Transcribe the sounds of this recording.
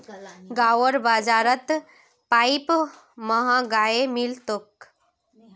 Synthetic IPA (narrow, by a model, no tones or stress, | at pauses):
ɡawəɾbad͡zaɾət̪ | pajp | məɦãɡaemilt̪ok